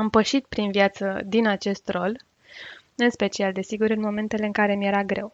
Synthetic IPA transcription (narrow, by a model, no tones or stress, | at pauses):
ampəʃit̪̚pɾinvjat̪səd̪inat͡ʃe̞st̪rol | ɨnspe̞t͡ʃiald̪e̞siɡuɾɨnmo̞me̞nt̪e̞le̞ɨŋkaɾe̞mje̞ɾaɡɾe̞w